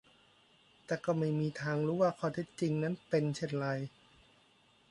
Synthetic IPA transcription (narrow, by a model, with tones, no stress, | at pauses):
t̪ɛː˨˩kɔː˥˩ma˥˩jmiː˧t̪ʰaː˧ŋɾuː˦˥waː˥˧kʰɔː˧˩t̪ʰe˦˥˩t̪̚t͡ɕi˧ŋna˦˥npe˧nt͡ɕʰe˧˩nɾa˧j